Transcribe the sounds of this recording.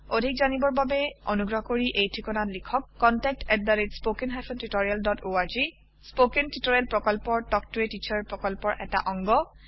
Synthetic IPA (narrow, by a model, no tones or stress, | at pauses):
odʱikzanibɔɹbabɛo̰nuɡɹɔɦɔkoɹiʔejtʰɹikɔnatlikʰɔkːɔntɛk̚tʰɛt̚daɹitspokenɦajpʰɔntitoɹijaldɔtoaɹzi | spokentitɔɹialpɹɔkɔlpɔɹdɔk̚tuɹetit͡ʃaɹpɹɔkɔlpɔɹʔɛ̰ta̰ʔɔŋɡɔ